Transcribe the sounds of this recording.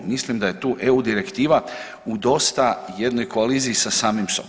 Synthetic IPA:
mislimd̪aje̞t̪uːʔe̞ud̪iɾe̞kt̪iːʋa | ud̪o̞st̪aje̞d̪no̞jko̞aliːziːsasaːmimso

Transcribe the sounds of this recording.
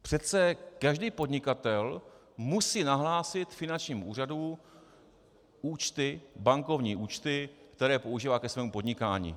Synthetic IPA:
pr̥ɛt͡sɛkaʒdiːpo̞dɲɪkat̪ɛl | musiːnaɦlaːsɪt̪fɪnant͡ʃɲiːmṵːr̝adu | uːt͡ʃt̪ɪbaŋko̞vɲiːʔuːt͡ʃt̪ɪkt̪ɛɾɛːpo̞uʒiːvaːkɛsvɛːmupo̞dɲɪkaːɲḭː

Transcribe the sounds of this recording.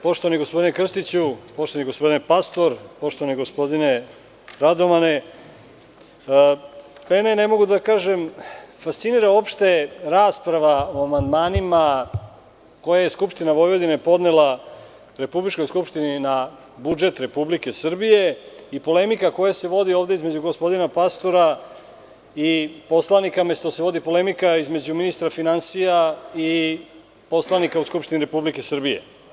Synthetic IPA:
po̞ʃt̪o̞ʋaniɡospo̞d̪inekr̩st̪it͡ɕupo̞ʃt̪o̞aniɡo̞spo̞d̪inepast̪o̞ɾpo̞ʃt̪oaniɡospo̞d̪ine | ɾad̪o̞ʋane | penene̞mo̞ɡud̪akaːʒemfast̪siniɾao̞pʃt̪e̞ɾaːspɾaʋaoamand̪maːnima | ko̞jajeskupʃt̪inaʋo̞jʋo̞d̪inepo̞d̪nelˠa | ɾe̞publit͡ʃko̞jskupʃt̪inina | bud͡ʒe̞t̪ɾe̞publike̞sr̩bije̞ipo̞le̞mikako̞jase̞ʋo̞d̪io̞ːʋd̪eizmed͡ʑuɡo̞spo̞d̪inapast̪o̞ɾa | ipo̞slanikamest̪oseʋo̞d̪ipo̞le̞mikaizme̞d͡ʑuminist̪ɾafinansijai | po̞slanikauskupʂt̪iniɾe̞publike̞srbije̞̰

